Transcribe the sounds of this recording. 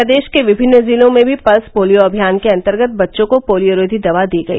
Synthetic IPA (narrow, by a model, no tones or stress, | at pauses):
əd̪eːʃkeʋɪbʱɪnːziːlõmẽbʱipɐspoːlijoɐbʱijaːnkeɐ̃nt̪əɾɡət̪̚bɐtːʃõkopoːlijoɾoːd̪ʱid̪ɐʋad̪iːɡɐḭː